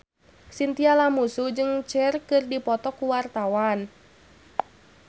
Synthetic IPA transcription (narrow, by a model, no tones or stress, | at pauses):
sint̪ialamusud͡ʒɨŋt͡ʃɛrkɨrdipɔt̪ɔkuwart̪awan